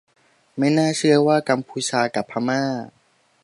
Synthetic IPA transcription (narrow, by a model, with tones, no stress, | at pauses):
ma˥˩jnaː˥˩t͡ɕʰɯ˥˩ɐwaː˥˩ka˧mpʰuː˧t͡ɕʰaː˧ka˨˩pʰːa˧maː˥˩